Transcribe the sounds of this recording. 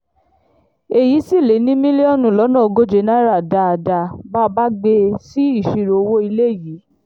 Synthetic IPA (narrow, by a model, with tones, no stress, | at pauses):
e˨ji˨˦si˦˨le˨˦nĩ˦mĩ˦li˦ɔ˦˨nũ˦˨lɔ˨˦nã˦˨o˧ɡo˦d͡ʒe˧˦nã˦ɾa˦˨da˧a˧˨da˧ba˦ba˦ɡ͡be˧si˦i˦˨ʃi˨˧ɾo˧o˧wo˦i˧le˦˨jiː˨˦